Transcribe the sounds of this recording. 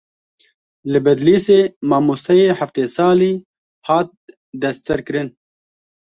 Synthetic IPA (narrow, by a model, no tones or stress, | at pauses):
lɨbɐd̪liseːmɑːmusɐjeħaft̪eːsɑːli | haːt̪̚ | d̪ɐssəɾkɾɨn